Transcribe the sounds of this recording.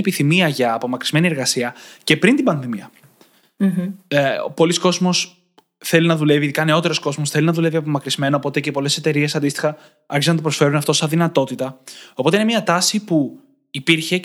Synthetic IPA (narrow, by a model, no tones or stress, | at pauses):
epiθimiɐʝɐːpo̞mɐkɾizme̞nieɾɣɐsiɐce̞pɾint̪ibɐnðimiɐ | po̞lisko̞zmo̞s | θe̞linɐðule̞viðikɐne̞o̞t̪e̞ɾo̞sko̞zmo̞sθelinɐðule̞viɐp̬o̞mɐkɾizme̞nɐːpo̞t̪ece̞po̞le̞se̞t̪e̞ɾie̞sɐnd̪ist̪i̥xɐ | ɐɾçizɐnɐt̪opɾo̞sfe̞ɾunɐft̪osɐðinɐt̪o̞t̪it̪ɐopo̞t̪eine̞miɐt̪ɐsipu | ipiɾçe̞